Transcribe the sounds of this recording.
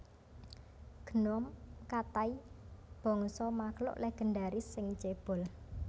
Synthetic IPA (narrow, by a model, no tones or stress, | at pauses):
ɡ̥ənɔmkat̪aib̥ɔ̤ŋsɔmaklʊ̰ʔleɡ̥ə̤nɖaɾisɪŋt͡ʃeb̥ɔ̤l